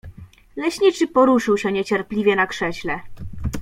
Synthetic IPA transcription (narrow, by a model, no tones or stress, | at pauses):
lɛɕɲit͡ʂɘpɔɾuʂɘwɕɛɲet͡ɕɛɾplʲivʲjɛnakʂɛɕlɛ